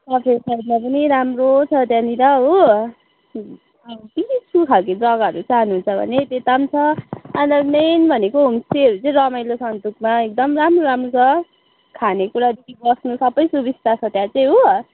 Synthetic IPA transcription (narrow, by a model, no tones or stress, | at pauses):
sʌpʰesajd̪mapʌniɾamrot͡sʰʌt̪jãniɾʌɦo | ʌt̪itit͡sʰukʰaked͡zʌɡʌɾut͡saɦnuɦunt͡sʰʌbʱʌ̰net̪et̪amt͡sʰʌanʌmenbʱʌnekoɦumseɦʌɾut͡sʌĩɾʌmajlosʌnt̪ukmaek̚d̪ʌmramroɾamrot͡sʰʌ | kʰanekuɾad̪ikibʌsnusʌbʌjsubist̪at͡sʰʌt̪jãt͡saĩɦo